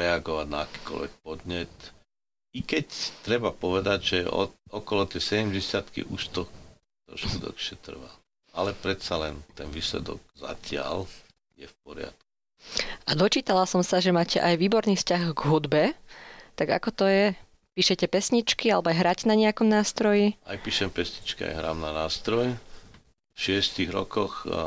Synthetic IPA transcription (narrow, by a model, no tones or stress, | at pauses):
ɛaɡɔʋaɟna̰aki̥ːkɔ̰lʋɛ̰k̚pɔd̪ɲɛt̪ | ikɛct̪ɾɛbapɔʋɛd̪aɟʒɛɔ̰ɔkɔlɔt̪jɛsɛɟɛmɟɛsɪat̪kḭʔuʃt̪ɔ | t̪ɔ̰ʃkud̪ɔ̰kʃɪɛt̪r̩ʋa | alɛpɾɛt̪salɛ̰nt̪ɛnʋiːslɛ̰d̪ɔ̰ɡ̚za̰cɪa̰l | jɛ̰fp̚ɔɾɪa̰t̪ku̥ | ad̪ɔt͡ʃiːt̪alasɔmsaʒɛmaːcɛʔajʋiːbɔɾniːfscaɣɡɦud̪bɛt̪aɡa̰kɔt̪ɔjɛ | piːʃɛcɛpɛsɲit͡ʃkialɛbɔajɦɾaːcnaɲɛakɔmnaːst̪ɾɔjiajpiːʃɛmpɛsɲit͡ʃkia̰jɦɾa̰ːmnanaːst̪ɾɔjɛ | fʃɪɛstiɣɾɔ̰kɔx